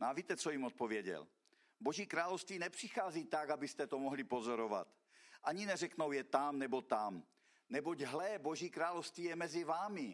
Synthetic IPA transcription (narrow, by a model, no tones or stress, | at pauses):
noaviːt̪ɛt͡sojimot̪̚povjɛɟɛ̰l | boʒiːkɾaːlowst̪viːnɛpr̝̥ixaːziːt̪aɡabɪst̪ɛt̪omoɦlipozoɾova̰t̪ | ʔaɲinɛrɛknowjɛt̪amnɛbot̪am | nɛboɟɦlɛboʒiːkɾaːlowst̪viːjɛmɛzivaːmɪ